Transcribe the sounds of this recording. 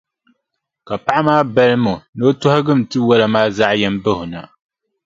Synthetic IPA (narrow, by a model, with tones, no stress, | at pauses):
ka˨pa˦ʔa˦maː˦bɛ˦lmo˨no˦tʊ˦ha˦ɡɨ˦m̩˨tɨ˦wɛ˦la˨maː˦za˦ʔjɛ˦mbɨ˦hʊ˨na̰˨